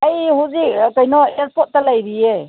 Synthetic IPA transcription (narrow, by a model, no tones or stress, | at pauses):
ajɦuzik̚kajnɔeɾpɔt̚ːalajɾie